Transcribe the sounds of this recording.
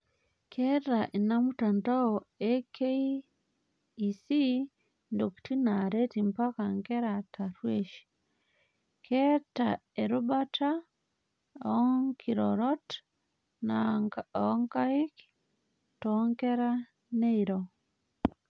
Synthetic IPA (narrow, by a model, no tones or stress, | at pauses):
kʰeaʔinamutantaoekʰei | si | ndoktinaɾetimpakaŋkeɾataɾweʃi̥ | kʰeta̰eɾubatʰa | ŋkʰiɾoɾot | na | ŋkaik | toŋkeɾa | neiɾo